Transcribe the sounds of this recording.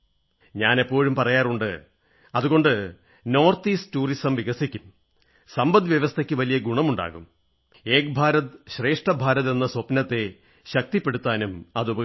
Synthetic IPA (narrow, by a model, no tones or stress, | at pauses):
ɲaːne̞pːo̞ːɻumpɐrɐjaːruɳɖɨ | ɐðuɣo̞ɳɖɨ | no̞ːrt̪iːstuːrisɐmʋiɣɐsikʲːum | sɐmbɐd̪ʋjɐʋɐst̪ʰɐkʲːɨʋɐlijɐɡuɳɐmuɳɖa̰ːɣum | e̞ːkbʱaːɾɐt̪ɕre̞ːʂʈɐbʱaːɾɐðe̞nːɐsopnɐt̪ːe̞ | ɕɐk̚t̪ipːe̞ɽut̪ːaːnumɐðubɐ